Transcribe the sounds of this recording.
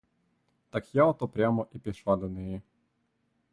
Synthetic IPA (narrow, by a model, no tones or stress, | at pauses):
t̪akjaɔt̪ɔpɾʲamɔʔipʲiʃlˠad̪ɔnɛji